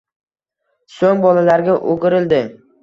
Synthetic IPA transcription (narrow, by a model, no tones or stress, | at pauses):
soŋbɒlalaɾɡʲaʔoɡʲɪɾɪld̪ɪ